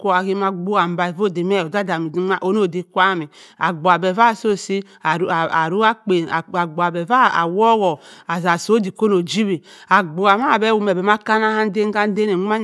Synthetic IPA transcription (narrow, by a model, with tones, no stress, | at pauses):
ko˦a˨ki˦ma˦ɡ͡bo˦a˨m˨ba˨i˨vo˦˨de˨mɛ˦o˨da˦da˨mi˨˦a˦ʔo˦no˦˨de˨˦kʷa˦˨mi˨a˨ɡ͡bo˨a˨bɛ˨va˦˨so˦˨si˦˨˦ | a˨ɾu˦a˦k͡pe˨a˨ɡ͡ba˨bɛ˨va˦a̰˨wɔ˦ɣɔ˨a˨za˨so˦di˨ko˦no˨d͡ʒi˦bi˨ | a˨ɡ͡bo˨a˨ma˦˨bɛ˦wu˨mɛ˨bɛ˨ma˦ka˦na˦ha˦n˦de˦ɡa˦n˦de˦ne˨ŋ˦a˦ɲ